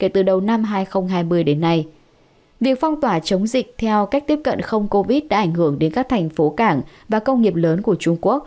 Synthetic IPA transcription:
ke˧˩t̪ɨ˨˩ɗə˨˩wna˧mɦaː˧jxə˧wŋ͡mɦaː˧jmɨ˧əjɗe˨˦nːa˧j | vi˨˩ək̚fa˧wŋ͡mt̪waː˧˩t͡ɕə˨˦wŋ͡mzï˨˩k̟̚t̪ʰɛ˧wka˦˥k̚t̪i˦˥əp̚kə̰˧˨nxə˧wŋ͡mko˧vi˦˥t̚ɗa̰ː˧˥ʔa˧˩jŋ̟hɨ˧˩əŋɗe˨˦nkaː˦˥k̚t̪ʰa˨˩jŋ̟fo˨˦kaː˧˩ŋ | vaː˨˩kə˧wŋ͡mŋi˨˩əp̚ləː˨˦nku˧˩ət͡ɕʊ˧ŋ͡mku˦˥ək̚

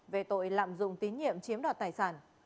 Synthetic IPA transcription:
ve˨˩t̪o̰˧˨jla̰ː˧˨mzʊ̰˧˨ŋ͡mt̪i˨˦nɲḭ˧˨əmt͡ɕi˨˦əmɗaː˨˩t̚t̪aː˨˩jsaː˧˩n

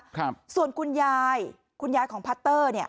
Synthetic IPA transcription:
ksu˨˩ənkʰu˧njaː˧j | kʰu˧njaː˧jkʰɔː˩˦ŋpʰa˦˥t̪ːɤː˥˩ni˥˩ə

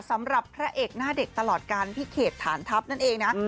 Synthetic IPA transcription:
sa˩˦mɾa˨˩pʰːɾa˦˥ʔeː˨˩k̚naː˥˩de˨˩k̚t̪a˧lɔː˨˩t̪̚kaː˧npʰi˦˥kʰeː˨˩t̪ʰːaː˩˦nt̪ʰa˦˥p̚na˥˩nʔeː˧ŋna˦˥

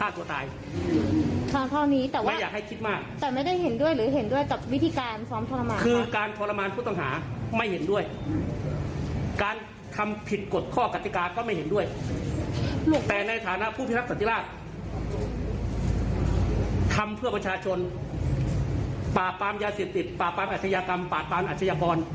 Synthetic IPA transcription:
kʰaː˥˩nt̪u˧ɐt̪a̰ː˧j | kʰa˧˩t̪ʰa˥˩wniː˦˥t̪ɛː˨˩wa˥˩jaː˨˩k̚ha˥˩jkʰi˦˥t̪̚maː˥˩k̚t̪ɛː˨˩ma˥˩jda˥˩jhe˩˦ndu˥˩əjlɯː˩˦ɦe˩˦ndu˥˩əjka˨˩p̚wt̪ʰiː˧kaː˧nsɔː˧˥mt̪ʰɔ˧la˧maː˧kʰɯː˧kaː˧nt̪ʰɔː˧la˧maː˧npʰuː˥˩t̪ɔ˥˩ŋɦa̰ː˩˦ma˥˩jhe˩˦ndu˥˩əj | kaː˧n | k̪ʰa˧mpʰi˨˩t̪̚ko˨˩t̪̚kʰɔː˥˩ka˨˧˩t̪ːi˨˧˦kaː˧kɔː˥˩ma˥˩jhe˩˦ndu˥˩əj | lu˨˩t̪ɛː˧˨˩na˧jt̪ʰaː˩˦na˦˥pʰuː˥˩pʰiː˥˩ɾa˦˥sa˨˦nt̪i˧laː˥˩t̪̚ | t̪ʰa˧mpʰɯ˥˩ɐpɾa˧t͡ɕʰaː˧t͡ɕʰo˧n | paː˨˩t̚paː˧mjaː˧seː˨˩p̚t̪i˨˩t̪̚paː˨˩pːaː˧mʔaː˨˩a˧jaː˧ka˧mpaː˨˩t̪̚pːaː˧mʔaː˨t̪̚sa˧jaː˧kɔː˧n

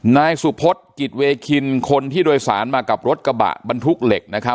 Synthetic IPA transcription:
naː˧jsu˨˩pʰo˦˥t̪̚ki˨˩t̪̚weː˧kʰi˧nkʰo˧nt̪ʰiː˥˩doː˧jsa̰ː˩˦nmaː˧ka˨˩p̚ɾo˦˥t̪̚ka˧ba̰ː˨˩ʔba˧nt̪ʰu˦˥k̚le˨˩k̚na˦˥kʰa˦˥

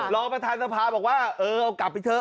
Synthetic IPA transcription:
lɔː˧ŋpɾa˧t̪ʰaː˧nsa˧pʰaː˨˧bɔː˨˩k̚waː˥˩ʔɤː˧ʔa˧˩wka˨˩p̚ːa˧jt̪ʰɤː˧˩

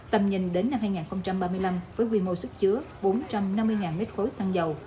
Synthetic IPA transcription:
t̪ə˨˩mɲï˨˩ŋ̟ɗe˨˦nːa˧mhaː˧jŋaː˨˩nxə˧wŋ͡mt͡ɕa˧mɓaː˧mɨ˧əjla˧mvəː˨˦jkwi˧˩mo˧˩jsɨ˦˥k̚t͡ɕɨ˨˦ə | ɓo˨˦nt͡ɕa˧mna˧mːɨ˧əjŋaː˨˩nmi˦˥t̚xo˨˦jsaː˧ŋzə˨˩w

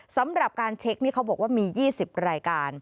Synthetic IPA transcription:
sa˩˦mɾa˨˩p̚kaː˧nt͡ɕʰe˦˥k̚niː˥˩kʰa˦˥bɔː˨˩k̚waː˥˩miː˧jiː˥˩si˨˩p̚ɾaː˧jkaː˧n

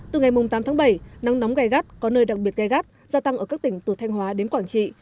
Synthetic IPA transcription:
t̪ɨ˨˩ŋa˨˩jmʊ˨˩ŋ͡mt̪aː˨˦t̪ʰaː˨˦ɓə˧˩jna˨˦ŋnɔ˨˦wŋ͡mɣaː˧˩jɣaː˦˥t̚kɔ˨˦nəː˧jɗa˨˩k̚ɓi˨˩ət̚ɣa˧˩jɣaː˦˥t̚zaː˧t̪a˧ŋʔəː˧˩kaː˦˥k̚t̪ï˧˩ŋ̟t̪u˧˩t̪ʰjŋ̟ɦwaː˨˦ɗe˨˦nkwaː˧˩ŋt͡ɕḭ˧˨

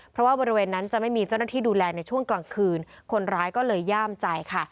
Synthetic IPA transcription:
pʰɾɔ˦˥waː˥˩bɔː˧ɾi˦weː˧nːa˦˥nt͡ɕa˨˩ʔma˥˩jmiː˧t͡ɕa˥˩wnaː˥˩iː˥˩duː˧lɛː˧na˧jt͡ɕʰu˥˩əŋklaː˧ŋkʰɯː˧nkʰo˧nɾaː˦˥jkɔː˥˩lɤː˧jːaː˥˩mt͡ɕa˧jkʰa˥˩

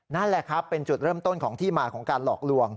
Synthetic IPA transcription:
na˥˩nlɛ˨˩kʰɾa˦˥pːe˧nt͡ɕu˨˩t̪̚ɾɤː˥˩mt̪o˥˩nkʰɔː˩˦ŋt̪ʰiː˥˩maː˧kʰɔː˩˦ŋkaː˧nlɔː˨˩k̚lu˧əŋ

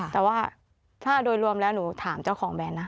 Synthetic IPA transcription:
ɛː˨˩waː˥˩ | t̪ʰaː˥˩doː˧jɾu˧əmlɛː˦˥wnuː˩˦t̪ʰaː˩˦mt͡ɕa˥˩wkʰɔː˩˦ŋbɛː˧nːa˦˥

